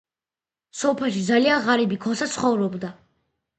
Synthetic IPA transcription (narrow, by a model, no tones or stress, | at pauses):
sɔpʰɛlˠʃid̪zalianʁaɾɛbikʰɔsat̪sʰχɔvɾɔbd̪a